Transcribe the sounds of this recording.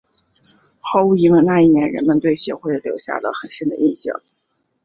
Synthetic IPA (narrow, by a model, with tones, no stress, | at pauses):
xɑ˥ʊu˥˩i˧˥ŋə˥˧na˥˧i˥˩njɛ˧˥nɻə̰˧˥nmə˧nt̪we˥˩ɪɕjɛ̰˧˥xwe˥˩ɪljo˧˥ʊɕja̰˥˩lə̰˩xə˨˩nʂə˥nd̪ə̰˧ʔi˥˧nɕjɑ̰˥˩ŋ